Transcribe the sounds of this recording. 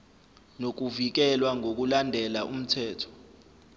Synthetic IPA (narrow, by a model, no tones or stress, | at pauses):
nok̬uvik̬ɛlwaŋʱok̬ulandʱɛlaʔum̩tʰɛːtʰɔ̥